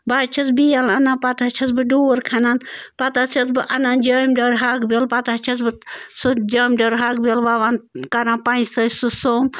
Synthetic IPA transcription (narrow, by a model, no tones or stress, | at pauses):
bat͡ʃʰɐt͡sbijalɐnapat̪at͡ʃʰɐt͡sbɨɖoːɾkʰɐnanpat̪at͡ʃʰɐt͡sbɨʔɐnand͡ʒəmɖəɾɦakbelpat̪at͡ʃʰɐt͡sbɨsud͡ʒəmɖəɾɦakbelʋaʋankaɾãːpaĩsəsusoːm